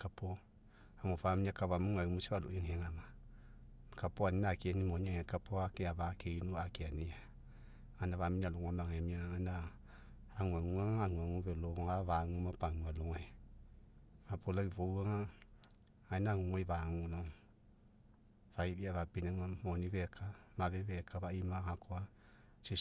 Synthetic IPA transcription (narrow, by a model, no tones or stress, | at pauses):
kapo | amovamiɲakavamuŋaimusiwaloiŋeŋama | kapoaninakienimoɲaŋekapoakeavakeinuakeania | anaaminaluŋamaŋemianaː | ŋaŋuaŋaːŋuaŋuvɛloɔŋaβaŋumapaŋualuŋa | mapolaivouaŋa | ainaŋuŋaiβaŋunɔ | vaiβiaβapinaŋamoniβɛkʰamaβɛβɛkʰaβaimahakʰoa | si